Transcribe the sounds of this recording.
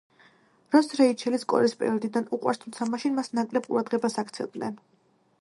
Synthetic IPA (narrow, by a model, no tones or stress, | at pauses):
ɾɔsɾɛit͡ʃʰɛliskʼɔ̰ɾispʼɛ̰ɾɔd̪id̪anuqʼwa̰ɾst̪ʰumt̪sʰamaʃinmasnakʼlɛb̚qʼuɾad̪ʁɛbasakt̪sʰɛ̰vd̪nɛn